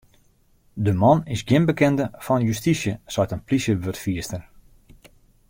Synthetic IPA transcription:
dəmɔnɪsɡjɪnbəkɛndəfɔnjystisjəsɔjtənplisjəʋørtfiəstər

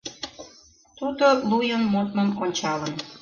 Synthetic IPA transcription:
t̪ud̪olujənmot̪məmonʲt͡ɕɑlən

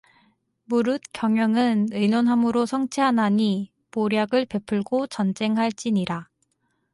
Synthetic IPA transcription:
muɾɯt̚kjʌŋjʌŋɯnɯjnonɦamɯɾosʰʌŋt͡ɕʰeɦanaɲi | poɾjaɡɯɭpe̞pʰɯɭɡot͡ɕʌnd͡ʑe̞ŋɦaɭt͡ɕ͈iɲiɾa

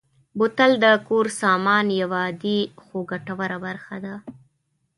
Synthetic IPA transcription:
bʊt̪ald̪əkoɾsɑmɑnjawɑd̪ixoɡaʈawaɾabaɾxad̪a

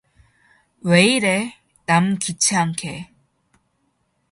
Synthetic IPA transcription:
weiɾe | namkit͡ɕʰeaŋkʰe

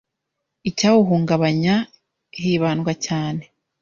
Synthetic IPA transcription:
icaːwuɦuːŋɡaβaɲa | ɦiːβaːnɡacaːne

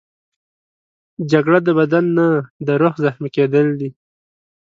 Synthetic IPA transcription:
d͡ʒaɡɽad̪əbad̪anːad̪əɾoxzaxmiked̪əld̪i

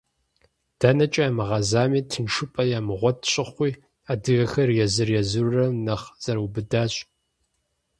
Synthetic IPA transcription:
d̥ɐnɐt͡ʃʼɐaːmɨʁɐzaːmiːtʰɨnʂɨpʼɐjaːmɨʁʷɔtʰɕʼɪχʷiː | aːdɨɣɐxɐrjɛzɨrjɛzurrɐmnɐχz̥ɐɾɐwubɨdaːɕʼ

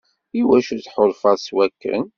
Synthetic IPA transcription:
iwæʃut͡sħoðˤfɑðˤswækːə̰n

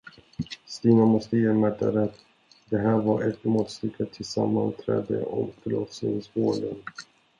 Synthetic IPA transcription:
st̪iːnamɔst̪əjeːmæʈːaɾɛt̪ː | d̪ɛɦæːɾvaɾʔɛt̪mɔːt̪st̪ʏkʰːat̪ʰɪlsamːant̪ʰɾɛ̰ːd̪ə̰ʔɔmfœɭɔt̪snɪŋsvoːɖən

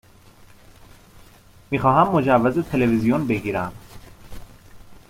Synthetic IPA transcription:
miːxɒːɦæmːo̞d͡ʒævːæzet̪ʰelevizijonbe̞ɡiːɾæm

